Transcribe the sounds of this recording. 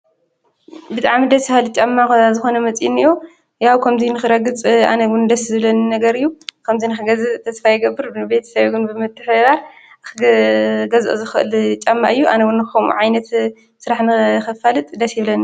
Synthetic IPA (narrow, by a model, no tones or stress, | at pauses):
bɨt̪ʼaʕmid̪ɐshalɨt͡ʃʼamːakazɨxo̞nɐmɐt͡sʼjinɨjo | jawkʰɐmzinɨxɨɾɐɡɨt͡sʼa̰nɐɡɨnd̪ɐszɨβlɐnnɐɡɐɾɨjːukʰɐmzinɨxɨɡɐzɨt̪ʰɐsfajːɪɡɐbːɨɾɨbe̞t̪ʰɐ̥sɐβɡɨnbɨmɨt̪ʰːɨħɐdaɾ | xɨɡɐzʔozɨxɨʔɨ̰lt͡ʃʼamːaʔɨjːuʔanɐwunːxxɐmṵʕajnɐt̪ | sɨɾaħnɨxɨfalɨt̪ʼd̪ɐsjɪβlɐn